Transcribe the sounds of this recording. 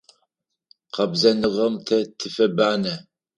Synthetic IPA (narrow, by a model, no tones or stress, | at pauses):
qʰɐbzɐnɨʁɐmt̪ʰɐtʰɨfɐbaːnɐ